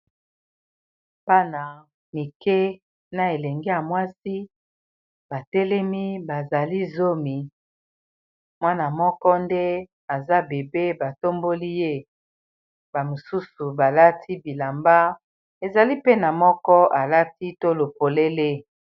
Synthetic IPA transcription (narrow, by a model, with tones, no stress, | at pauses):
ba˦na˨ | mi˨ke˦ | na˨e˨lɛ˨ŋɡe˦ja˨mwa˦si˦ | b̥a˨tɛ˦lɛ˦mi˦ba˨za˨li˦zo˦mi˨ | mwa˦na˨mɔ˦kɔ˦nde˦ | a˨za˦be˨be˦ba˨to˦mbo˦li˦je˦ | ba˨mo˨su˦su˨ba˨la˦tʰi˦bi˨la˨mba˦ | e˨za˨li˦pe˦na˨mɔ˦kɔ˦ʔa˨la˦ti˦to˦lo˨po˨le˦le˦